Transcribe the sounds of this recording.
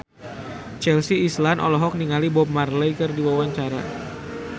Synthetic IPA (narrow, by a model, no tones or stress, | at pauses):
t͡ʃɛlsiːslanʔɔ̰lɔɦɔk̚niŋalibɔp̚marlɛjkɨrdiwawaɲt͡ʃaɾa̰